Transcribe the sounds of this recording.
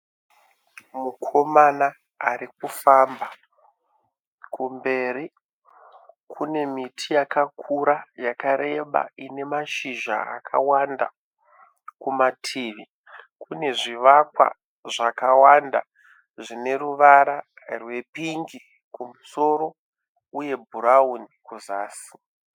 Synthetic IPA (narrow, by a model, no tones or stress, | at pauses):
mukʰo̞manaː | rikufamba | kumbe̞ːɾi | kʰune̞mitʰijakakʰuɾajakaɾe̞ɓa̰ine̞maʃiʒa̰a̰kʰa̰wanda̰ | kumatʰiːʋi | kune̞ʐiʋakwa̰ | ʐakawanda̰ | ʐine̞ruʋaɾa | rwe̞piŋɡi | kumuso̞ɾo̞ | uje̞bʱuɾaunikuzaːsi̥